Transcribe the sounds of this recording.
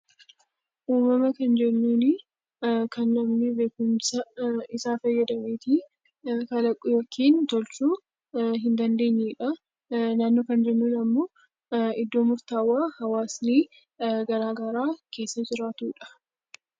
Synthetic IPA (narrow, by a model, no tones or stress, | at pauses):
ʔuːmɐmɐkɐnd͡ʒɛnːuːnɪ | kʰɐnːɐmnɪbe̞ːkʊmsɐɪsaːfɐjːɐd̪ɐmeːt̪i | kɐlɐkʼːʊjɔkʰːiːnt̪ɔlt͡ʃuː | ɦɪnd̪ɐnd̪eːɲːɛᶑɐ | naːnːoːkɐnd͡ʒɛnːuːnɐmːo̞ː | ɪd̪ːo̞ːmʊɾt̪aːwaːhɐwaːsniː | ɡɐɾaːɡɐɾaːkʰe̞ːsːɐd͡ʒɪɾaːt̪uːᶑɐ̥